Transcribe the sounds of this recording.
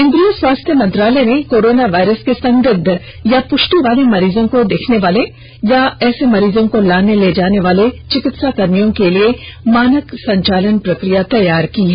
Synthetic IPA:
ɪ̃nd̪ɾijoswaːst̪ʰjəmɐ̃nt̪ɾaːlɛnekoːɾoːnaʋaːɪɾəskesɐ̃ŋɡəd̪ʱː | japʊʃʈiʋaːlemɐɾiːzõkod̪eːkʰneʋaːle | jaɛːsemɐɾiːzõkolaːneled͡ʒaːneʋaːlet͡ʃɪkɪt̪sakɐɾmijõkeliemaːnəksɐ̃ɲt͡ʃaːlənpɾɐkɾijat̪ɐjaːɾkiɦɛː

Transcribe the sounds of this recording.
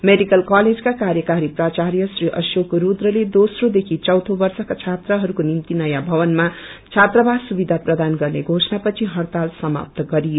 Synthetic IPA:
meɖikʌlkaled͡zkakaɾjʌkaɾiprat͡ʃaɾjʌsriʔʌ̰sokɾud̪rʌled̪osrod̪ekʰit͡sʌwt̪ʰobʌrsʌkat͡sʰat̪rʌɦʌɾukonimt̪inʌjabʱʌβʌnmat͡sʰat̪rʌbadsubid̪ʱaprʌd̪anɡʌrneɡʱosʌnapʌt͡sʰiɦʌrt̪alsʌma̰p̚t̪ɡʌɾijo

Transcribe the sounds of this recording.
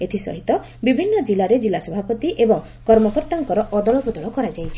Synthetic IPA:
et̪ʰisɔ̰ɦit̪ɔ | bibʱinːɔd͡ʒilaɾed͡ʒilasɔbʱapɔt̪iʔebɔŋ | kɔɾmɔkɔɾt̪aŋkɔɾɔʔɔd̪ɔɭɔbud̪ʱɔɭɔkɔɾad͡ʒajt͡ʃʰi

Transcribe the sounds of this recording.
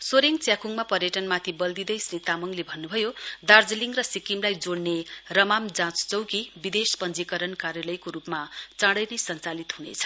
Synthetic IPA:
soɾiŋt͡sjakuŋmapʌrjʌʈʌnmat̪ʰibʌld̪id̪ʌjsrit̪amʌŋlebʱʌnːubʱʌjod̪ard͡zliŋrʌsikimlajd͡zoɽnerʌmamd͡zãt͡st͡sʌwkibid̪espʌnd͡zikʌɾʌnkarjalʌjkoɾupmat͡sãɽʌjnʌjsʌnt͡salit̪ɦunḛt͡sʰʌ̥

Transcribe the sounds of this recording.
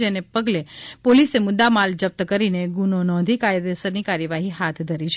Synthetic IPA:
d͡ʒenepəɡlepolisemʊd̪ːamald͡ʒəp̚t̪əkəɾineɡunonɔ̃d̪ʱikajd̪esəɾnikaɾjəʋaɦiɦat̪ʰd̪ʱəɾit͡ʃʰ

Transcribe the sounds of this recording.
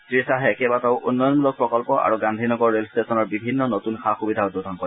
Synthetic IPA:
tɹisaɦɛkɛbataʊʔunːɔjɔnmulɔk̚pɹɔkɔlpɔʔa̰ɹuɡãndʱinɔɡɔɹːelstesɔnɔɹbibʱinːɔnotunxaxubidʱaɔtːudʱɔnkɔ

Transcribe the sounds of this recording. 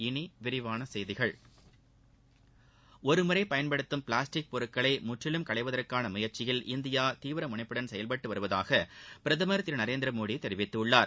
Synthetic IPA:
ɪniʋɪɾɪʋaːnɐsɛjðɪɣɐɭ | ɔɾɯmʊɾɐɪpɐjɐnpɐɽɯt̪ːɯmpɪɭaːsʈɪk̚pɔɾɯkːɐɭɐɪmʊʈrɪlɯmkɐɭɐɪʋɐðɐrkaːnɐmʊjɐɾt͡ʃɪjɪlʔɪnd̪ɪjaːt̪iːʋɪɾɐmʊɳɐɪpːɯɽɐnsɛjɐlpɐʈːɯʋɐɾɯʋɐða̰ːɣɐpɪɾɐðɐmɐɾɐt̪ːɪɾnɐɾeːnd̪ɪɾɐmoːɽit̪ɛɾɪʋɪt̪ːɯɯɭːaːɾ

